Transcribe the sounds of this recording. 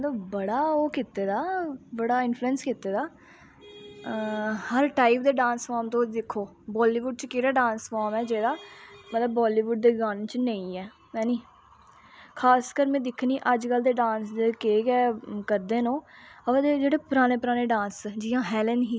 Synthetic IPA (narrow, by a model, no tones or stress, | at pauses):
mət̪ləbbəɽaːoːkɪt̪ːeːd̪aːbəɽaːɪnfluənskɪt̪ːeːd̪aː | həɾʈaːip̚d̪eːɖãːnsfaːmt̪õːd̪ɪkʰːoː | bɔːliːʋʊɖ̚t͡ʃkɪɾaːɖãːnsfaːmɛːd͡ʒeːd̪aːmət̪ləbːɔːliːʋʊɖ̚d̪eːɡaːnt͡ʃnəĩːɛː | mɛ̃ːniː | kʰaːskəɾmɛ̃ːd̪ɪkʰːniːʔəd͡ʒkəld̪eːɖãːnsd̪ekeːkɛːkəɾd̪eːnõːəʋd̪ed͡ʒeːɽeːpɾaːneːpəɾaːneːɖãːnsd͡ʒiːãːɦɛːlənɦiː